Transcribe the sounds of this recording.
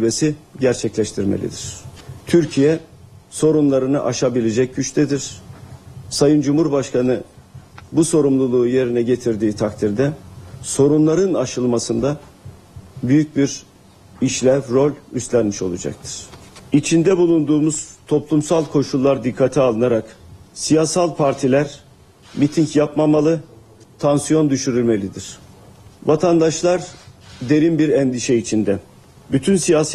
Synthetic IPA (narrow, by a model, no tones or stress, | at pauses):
besiɟæɾt͡ʃʰɛclʲɛʃt̪ʰiɾmḛlʲḭd̪iɾ̥t̪ʰyɾcʰijɛso̞ɾunlˠaɾɯnɯ̰ʔaʃabilʲed͡ʒɛc̚ɟyt͡ʃt̪ʰɛd̪iɾ̥ | sajɯnd͡ʒumhuɾbaʃkʰanɯ | buso̞ɾumlˠulˠuːje̞ɾinɛɟe̞t̪ʰiɾd̪iːt̪ʰakt̪ʰiɾd̪ɛso̞ɾunlˠaɾɯnaʃɯlˠmasɯnd̪a | byjyc̚biɾ | iʃlʲævɾo̞lʲyst̪lʲænmiʃo̞lˠud͡ʒa̰k̚t̪ʰɯ̥ɾ̥it͡ʃʰind̪ɛbulˠund̪uːmuz̥t̪ʰo̞plˠumsalˠkʰo̞ʃulˠːaɾd̪ikʰːat̪ʰialˠɯnaɾaksijaːsalˠpʰaɾt̪ʰilʲæɾ | mit̪ʰiɲcjapmamalˠɯ | t̪ʰansijo̞nd̪yʃyɾylʲme̞lʲid̪iɾ̥ | vat̪ʰand̪aʃlˠaɾd̪e̞ɾinbiɾɛnd̪iʃɛit͡ʃʰind̪ɛ | byt̪ʰynsijaːs